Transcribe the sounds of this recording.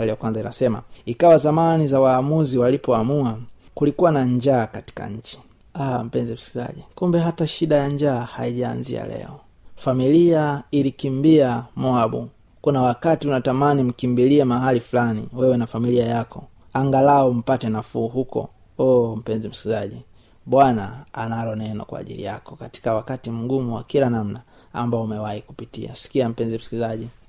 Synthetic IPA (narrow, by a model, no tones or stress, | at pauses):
aliakwanzaina̰sɛma̰ikawazamanizawaːmuziwalipɔamuakulikuwanaɲd͡ʒaːkati̥ka̰ɲ̩t͡ʃi̥ | am̩pɛnzɛm̩si̥za̰ʄikumbɛɦataʃiɗajaɲd͡ʒaːhaiʄa̰ːnzḭa̰lɛ̰ɔ | familiailikimbiamuaɓṵ | kunawakatiunatamanim̩kimbiliɛmaɦalifulanḭwɛwɛnafamiliajakɔ | aŋɡalaɔm̩patɛnafuːɦukɔ̰ | ɔm̩pɛnzim̩si̥kizaʄi | ɓwana̰ːnalɔnɛnɔ̰kwa̰ːʄḭlḭja̰kɔkati̥kawakatim̩ɡumuwa̰kilanam̩na | a̰mbaɔumɛwahiku̥pitḭa̰si̥kiam̩pɛnzim̩si̥kizaʄi